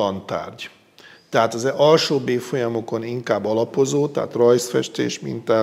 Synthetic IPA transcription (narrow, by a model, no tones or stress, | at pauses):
ɒnt̪a̰ːrɟ | t̪ɛɦaːt̪ɒzɛɒlʃoːbeːfo̞jɒmo̞ko̞niŋkaːbːɒlɒpo̞zoːt̪ɛɦa̰t̪rɒjsfɛ̰ʃt̪ḛːʃmḭnt̪ɛ